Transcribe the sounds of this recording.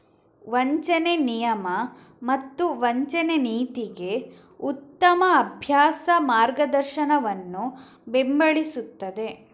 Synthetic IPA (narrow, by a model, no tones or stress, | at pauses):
ʋɐɲt͡ʃɐnenijɐmɐ | mɐt̪ːuʋɐɲt͡ʃɐneniːt̪iɡe̞ | ut̪ːɐmɐːbʱjaːsɐmaːɾɡɐd̪ɐɾʃɐnɐʋɐnːu | bembɐɭisut̪ːɐd̪e̞